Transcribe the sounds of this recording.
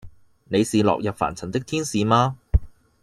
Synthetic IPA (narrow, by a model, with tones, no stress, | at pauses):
ne˨˧jsiː˨lɔ̰˨k̚jɐ˨p̚fa̰ː˨˩nt͡sʰɐ˨˩nt̪ɪ˥k̚t̪ʰiː˥nsiː˨˧maː˧